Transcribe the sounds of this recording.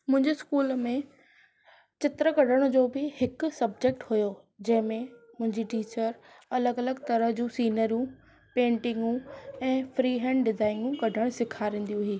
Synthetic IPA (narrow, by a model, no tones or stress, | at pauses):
mʊ̃ɦɪ̃ɲd͡ʑeskuːlmẽ | t͡ɕɪt̪ɾəkɐɖʱəɽ̃ʊd͡ʑoːbɪhɪksɐb̚d͡ʑek̚ʈɦʊjo | d͡ʑɐ̃ɦɪ̃mẽ | mʊ̃ɦɪ̃ɲd͡ʑiʈiːt͡ɕəɾ | ɐləɡɐləɡt̪ɐɾəɦd͡ʑũːsiːnəɾjũ | pẽːɳʈɪ̃ŋɡũɛ̃ːfɾiːɦɛ̃ːɳɖɖɪzaːɪŋɡũkɐɖʱəɽ̃sɪkʰaɾẽːn̆d̪ijũɦiː